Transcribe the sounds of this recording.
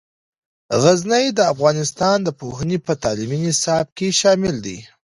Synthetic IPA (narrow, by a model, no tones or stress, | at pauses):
ɣaznəjd̪əafɣɑnɪst̪ɑnd̪əpoɦənipət̪ɑliminɪsɑb̚keʃɑmɪld̪ḭ